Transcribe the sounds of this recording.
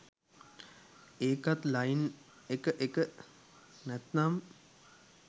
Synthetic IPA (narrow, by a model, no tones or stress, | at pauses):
eːkat̪lajin | ekəʔekə | nɛt̪nam